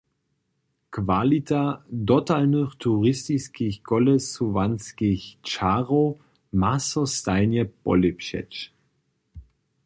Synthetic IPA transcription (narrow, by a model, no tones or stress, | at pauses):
kvalitʰadɔtalnøχtʰuʁɪstiskiçɡ̥ɔlɛsuvanskiçt͡ʃaʁo | masɔstaɪnjɛb̥ɔ̰lipʃɛ̰t͡ʃ